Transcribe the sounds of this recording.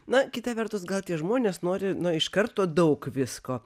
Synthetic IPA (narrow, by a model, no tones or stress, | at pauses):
nɐkʲɪt̪ɐʋʲɛɾt̪ʊsɡɐlˠt̪ʲiɛʒmoːnʲeːsnoːɾʲɪnʊɪʃkɐɾt̪oːd̪ɐʊkʋʲɪskoː